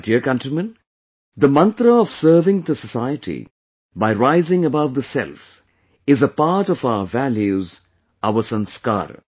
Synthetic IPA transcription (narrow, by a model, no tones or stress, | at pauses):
diəkʌ̃ntɾimə̃n | d̪əmʌ̃nt̪ɾəɔʋ̥səːʋɪ̃ŋd̪əsəsaɪəʈʰḭ | baɪɾaɪzɪ̃ŋəbaʊʋd̪əsɛ̰lf | ɪzəpaːʈɔfaʊəvæljuz | aʊəsə̃nska̰ːɾə̰